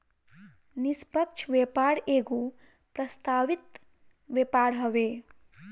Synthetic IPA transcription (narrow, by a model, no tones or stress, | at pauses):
nispəkt͡ʃʰʋepaɾeɡo | pɾəst̪aʋit̪ | ʋjepaɾɦʌʋe